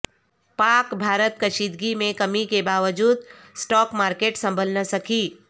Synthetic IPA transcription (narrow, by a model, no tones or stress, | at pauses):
paːkbʱaːɾət̪kəʃid̪ɡimẽkəmikebaːʋəd͡ʒuːd̪̚ | sʈɔːkmaːɾkeːʈsə̃mbʱəlnəsəkiː